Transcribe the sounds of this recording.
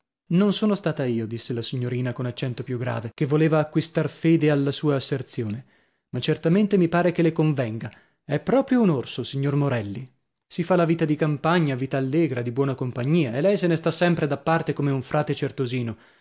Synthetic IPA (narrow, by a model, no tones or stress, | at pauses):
nonsoːnost̪aːt̪aiːod̪isːelasiɲːoɾiːnakonat͡ʃːɛnt̪opjuɡɾa̰ːvek̟evːoleːvaːkːwist̪arfeːd̪ealːasuːaːsːert̪sjoːne | mat͡ʃːert̪ament̪emipaːɾekelekoɱvɛŋɡa | ɛpːɾɔːpɾjounorsosiɲːormoɾɛlːi | sifalaviːt̪ad̪ikampaɲːaviːt̪aːlːeːɡɾad̪ibwɔːnakompaɲːiːaelɛjsenest̪asːɛmpɾed̪apːart̪ekomeuɱfɾaːt̪et͡ʃert̪oziːno